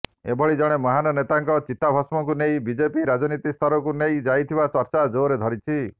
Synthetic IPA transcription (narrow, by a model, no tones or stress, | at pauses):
ḛbʱɔɭid͡ʒɔɽ̃emɔɦanɔnet̪aŋkɔt͡ʃit̪ːabʱɔsmɔkunejbid͡ʒepiɾad͡ʒɔnit̪ist̪ʰɔɾɔkunejd͡ʒajt̪ʰibat͡ʃɔɾt͡ʃad͡ʒoːɾed̪ʱɔɾit͡ʃʰi